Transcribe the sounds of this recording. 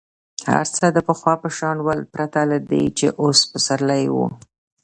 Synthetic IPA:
ha̰ɾt͡səd̪əpəxwɑpəʃɑnwalpɾat̪alad̪ḛt͡ʃḛʔospəsaɾlajwṵ

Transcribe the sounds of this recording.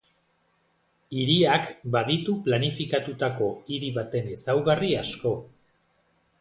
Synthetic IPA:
iɾiakbaðit̪uplanifikat̪ut̪ako̞iɾiβat̪e̞ne̞sawɣariasko̞

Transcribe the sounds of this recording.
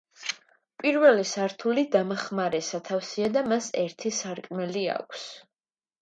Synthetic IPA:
pʼiɾvɛlisaɾt̪ʰulid̪amaχmaɾɛsat̪ʰafsiad̪amasɛɾt̪ʰisaɾkʼmɛlia̰kʷʰs

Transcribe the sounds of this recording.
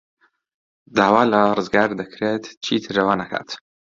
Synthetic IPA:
d̪aːwaːlɐrɨzɡaːɾd̪ɐkɾeːt̪t͡ʃʰiːt̪ʰɨɾɐwaːnɐkʰa̰ːt̪

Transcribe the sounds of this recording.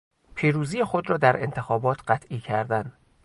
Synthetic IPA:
pʰiːɾuːziːjexo̞d̪ɾɒːd̪æɾʔe̞̰nt̪ʰexɒːbɒːt̪ʰɢ̥æt̪ʰʔiːcʰæɾd̪æn

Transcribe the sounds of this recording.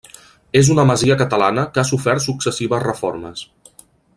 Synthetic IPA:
ezunəməziəkət̪əlanəkasufɛrt̪suksəsiβəzrəfoɾmə̰s

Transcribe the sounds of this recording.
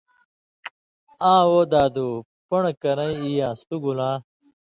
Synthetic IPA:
ãːwod̪aːd̪u | pɐɳkɐɾɐ̃iijãːst̪uɡulãː

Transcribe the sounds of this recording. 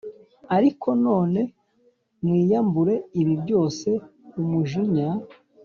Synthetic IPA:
aɾikʰo̞no̞ːne̞ | mwiːjambuɾe̞iβibɟo̞ːse̞umuʒiɲa

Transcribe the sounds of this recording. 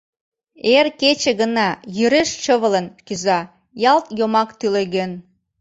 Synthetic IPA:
erket͡ɕĕɣə̆nɑjyɾeʃt͡ɕəβələnkyzɑ | jɑlˠt̪jomɑkt̪yleɣøn

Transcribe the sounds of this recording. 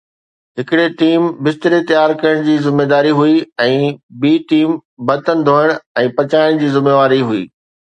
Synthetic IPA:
ɦɪkɪɽeʈiːmbɪst̪ɪɾet̪ɐjaːɾkɐəɽ̃d͡ʑiːzɪmːeːd̪aːɾiɦuiɛ̃ːbiːʈiːmbɐt̪ənɪ̆d̪ʱoːəɽ̃ɛ̃ːpɐt͡ɕaːɪɽ̃d͡ʑiːzɪmeːʋaːɾiɦuḭː

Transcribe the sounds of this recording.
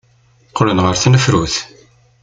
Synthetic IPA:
qʰːlənʁəɾθnəfɾuθ

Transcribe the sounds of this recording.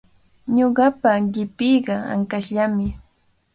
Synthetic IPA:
ɲoɢɑpaʎɪpɪjɢɑa̰ŋkaʃʎamɪ

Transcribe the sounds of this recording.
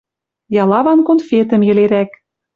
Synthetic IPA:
jɑlɑβɑnkonfet̪ə̆mjɘ̆leɾæk

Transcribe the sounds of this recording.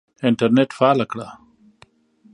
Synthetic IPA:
ɪɳʈɐɾneʈfaːlakɽa

